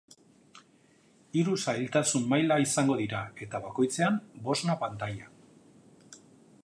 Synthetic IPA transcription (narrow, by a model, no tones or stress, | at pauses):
iɾusajlt̪asunmajlaisaŋɡo̞ðiɾae̞t̪aβako̞jt͡se̞ambo̞znapant̪aja